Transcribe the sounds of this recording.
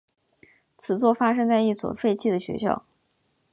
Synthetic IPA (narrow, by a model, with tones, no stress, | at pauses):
t͡sʰɹ̩˨˩t͡swɔ˥˩fa˥ʂɤ˥ŋt͡sa˥˧ɪi˥˩swɔ̰˨˩fe˥˧ɪt͡ɕʰi˥˩d̪ə˩ɕɥɛ̰˧˥ɕjɑ̰˥˩ʊ